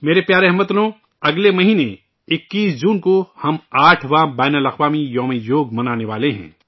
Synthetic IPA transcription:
meːɾepjaːɾeɦmət̪nõː | ɐɡlemɐɦiːne | ɪkːiːsd͡ʒuːnkohɐmaːʈʰʋãːbaːnəlɐxʋaːmijɔːmijoːɡmɐnaːneʋaːleɦɛ̰̃ː

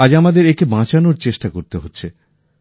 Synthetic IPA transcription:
ad͡ʑamad̪eɾekebãt͡ɕanoɾt͡ɕeʃʈakoɾt̪eɦotːɕʰe

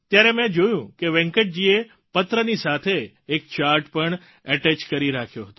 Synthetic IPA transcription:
t̪jaɾemɛ̃d͡ʒojũkeʋɛ̃ŋkəʈ̚d͡ʒie | pət̪ɾənisat̪ʰeː | k̚t͡ʃaɾʈpəɳ | əʈɛt͡ʃkəɾiɾakʰjoɦət̪o

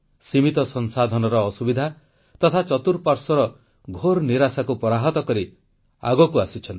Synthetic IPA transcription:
simit̪ɔsɔnsad̪ʱɔnɔɾɔːsubid̪ʱa | t̪ɔt̪ʰat͡ʃɔt̪uɾpaɾsɔɾɔ | ɡʱoɾniɾasakupɔɾaɦɔt̪ɔkɔɾi | a̰ɡɔkuasit͡ʃʰɔnt̪i̥

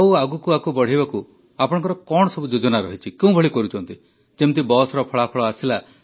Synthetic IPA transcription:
awaɡukuakubɔɽ̤ibaku | apɔɽɔ̃ŋkɔɾɔkɔɽ̃ɔsɔbud͡ʒod͡ʒɔnaɾɔɦit͡ʃʰikeũbʱɔɭikɔɾut͡ʃʰɔnt̪i | d͡ʒemt̪ibɔsɔɾɔpʰɔɭapʰɔɭɔasila

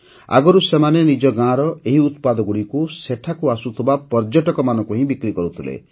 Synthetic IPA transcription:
a̰ɡɔɾusemanenid͡ʒɔɡãɾɔʔeɦiut̪̚pad̪ɔɡuɽikuseʈʰakuasut̪ʰibapɔɾd͡ʒɔʈɔkɔmanɔ̃ŋkuɦĩbikɾikɔɾut̪ʰilḛ

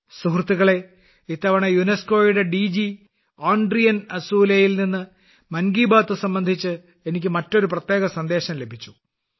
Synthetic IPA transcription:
suɦrɨt̪ːiɣɐɭe̞ | it̪ːɐʋɐɳejunesko̞ːjuɽe̞ɖid͡ʑi | aːɳɖrijɐnɐsuːlejilninːɨ | mɐnɡiːbaːt̪ːɨsɐmbɐnd̪ʱit͡ɕːɨ | e̞nik̬ʲːɨmɐtːo̞ɾuprɐt̪je̞ːɣɐsɐnd̪e̞ːɕɐmle̞bʱit͡ɕːu̥

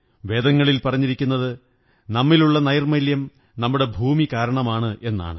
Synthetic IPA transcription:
ʋe̞ːd̪ɐŋːɐɭilpɐrɐɲːiɾikʲːunːɐðɨ | nɐmːiluɭːɐnɐjɐrmɐljɐm | nɐmːuɽe̞bʱuːmikaːɾɐɳɐmaːɳɨʔe̞nːa̰ːɳɨ

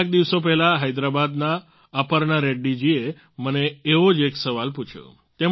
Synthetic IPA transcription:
k̚d̪iʋsopɛɦlaɦajd̪ɾabad̪naː | pəɾnaɾeɖːid͡ʒie | məneːʋod͡ʒeksəʋalput͡ʃʰjo̰ | t̪em

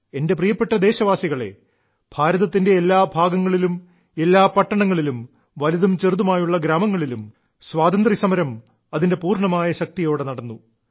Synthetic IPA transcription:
e̞nde̞prijɐpːeʈːɐd̪e̞ːɕɐʋaːsiɣɐɭe̞̰ | b̥ʱaːɾɐðɐt̪ːindeːlːaːbʱaːɡɐŋːɐɭilum | e̞lːaːpɐʈːɐɳɐŋːɐɭilum | ʋɐliðumt͡ɕerðumaːjuɭːɐɡɾaːmɐŋːɐɭilum | swaːd̪ɐnd̪risɐmɐɾɐm | ɐðinde̞puːrɳɐmaːjɐɕɐk̚t̪ijo̞ːɽenɐɽɐnːu

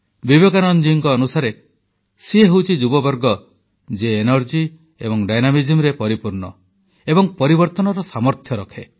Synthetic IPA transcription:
bibeɡanɔnd͡ʒiːŋkɔːnusaɾe | sieɦowt͡ʃʰid͡ʒubɔbɔɾɡɔ | d͡ʒeːnɔɾd͡ʒi | ḛbɔŋɖajnamid͡ʒemɾepɔɾipuɾnɔ̰ | ebɔŋpɔɾibɔɾt̪ɔnɔɾɔsamɔɾt̪ʰjɔɾɔkʰe

